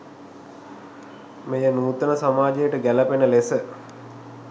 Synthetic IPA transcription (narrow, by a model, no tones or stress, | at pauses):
mejənuːt̪ənəsamaːd͡ʒejəʈəɡælɐpenəlesə